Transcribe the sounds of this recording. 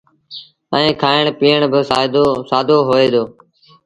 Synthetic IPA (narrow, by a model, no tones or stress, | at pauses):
ə̃ːkʰaːɪɳpiːəɳbɪsaːɪd̪osaːd̪oːɦoːeːd̪oː